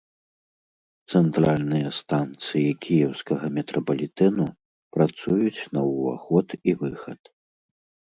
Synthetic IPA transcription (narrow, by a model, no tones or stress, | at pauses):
t̪sɛnt̪ɾalʲnɨjɐst̪ant̪sɨjikʲʰijɛwskɐɣɐmʲɛt̪ɾɔpɐlʲit̪ɛnu | pɾat̪sujut͡sʲnɐwva̰xɔt̪ivɨxɐt̪